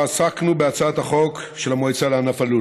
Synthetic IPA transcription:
asaknubeat͡saat̪haχo̞kʃelamoit͡saleanafalu

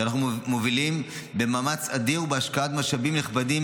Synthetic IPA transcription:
anaχnumovilim | be̞maːmat͡sad̪iʁubeaʃkaat̪maʃabimneχbad̪im

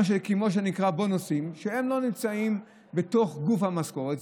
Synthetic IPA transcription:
ʃ̬ekemo̞ʃ̬enikʁabo̞nosimʃehemlo̞nimt͡saim | be̞to̞χɡufhamasko̞ʁet

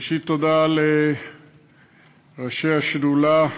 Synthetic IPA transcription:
ʃit̪ːod̪ale | ʁaʃeaʃdula

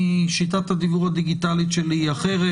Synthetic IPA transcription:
ʃit̪̬at̪had̪ivuʁad̪iɡit̪alitʃeliaχeʁe

